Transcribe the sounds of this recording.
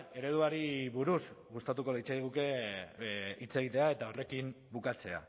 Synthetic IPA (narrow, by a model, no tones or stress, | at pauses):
e̞ɾe̞ðuaɾiβuɾuzɣust̪at̪uko̞lejt͡seðiɣ̞uke̞ | it͡se̞ɣ̞it̪e̞ae̞t̪ao̞re̞kim | bukat͡se̞a̰